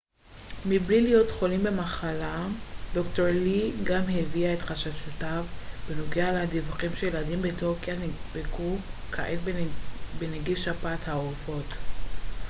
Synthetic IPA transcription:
miblilijo̞tχo̞limbe̞maχalado̞kto̞ʁliɡamheviaetχaʃaʃutavbeno̞ɡealad̪ivuχimʃejeladimbetuʁkjanbekukʰa̰ʔel | beneɡivʃapathaofo̞t

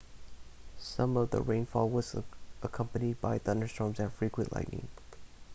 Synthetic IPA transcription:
sʌ̃mʌvðə̰ɹẽɪ̃nfɔlˠwʌzʔəkʰʌ̃mpɨnid̚baɪθʌ̃ndə˞stɹ̥ɔ̃ɹmzɨ̃nfɹikwə̃ʔlʔa̰ɪknɪ̰̃ŋ

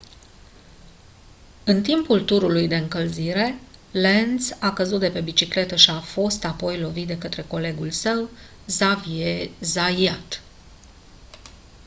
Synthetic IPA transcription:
ɨnt̪impult̪uɾulujd̪e̞ɨŋkəlziɾe̞lensakəzut̪̚d̪e̞pe̞bit͡ʃikle̞t̪əʃiafo̞st̪apo̞jlo̞vit̪d̪e̞kət̪ɾe̞ko̞le̞ɡulsəw | zaviezaiat̪

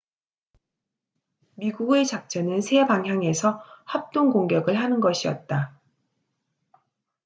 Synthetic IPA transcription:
miɡuɡe̞t͡ɕak̚t͡ɕ͈ʌnɯnsʰe̞baŋɦjaŋe̞sʰʌhap̚t͈oŋɡoŋɡjʌɡɯɭɦanɯnɡʌɕʰiʌ̰t̚t͈a

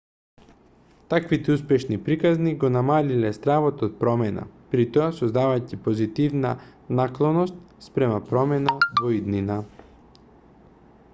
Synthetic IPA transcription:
t̪akvit̪ɛuspɛʃnipɾikazniɡonamalilɛst̪ɾavot̪ot̪̚pɾɔmɛna̰pɾit̪ɔasozd̪avacipozit̪ivna̰naklˠɔnɔst̪̚ | spɾɛmapɾɔmɛnavɔid̪nina

